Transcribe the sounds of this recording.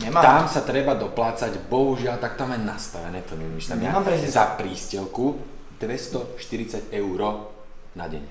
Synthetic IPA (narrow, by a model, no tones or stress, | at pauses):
ɲɛt̪amsat̪ɾɛbad̪ɔplaːt͡saɟbɔɦuʒɪalt̪ak̚t̪amanast̪aʋɛnɛːt̪ɔɲɛʋimiʃlɛmjaaɛɛzapɾiːscɛlku | d̪̥ʋɛst̪ɔʃt̪iɾit͡saɟɛʊɾɔ | naɟɛ̰ɲɛ